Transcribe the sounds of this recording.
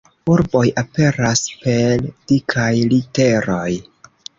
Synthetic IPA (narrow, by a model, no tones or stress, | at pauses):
uɾbo̞jʔape̞ɾaspe̞ld̥ikʰajlite̞ɾo̞j